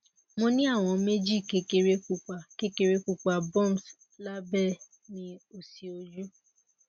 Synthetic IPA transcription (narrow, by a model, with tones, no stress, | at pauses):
mõ˧nĩ˦a˦˨w̃ɔ̃˧me˦d͡ʒi˦˨ke˧ke˧ɾe˦ku˧k͡pa˨ke˦ke˧ɾe˦ku˧k͡pa˨bɔ̃˦˨ns | la˦bɛ˦˨ | nĩ˧o˨si˨o˧d͡ʒu˦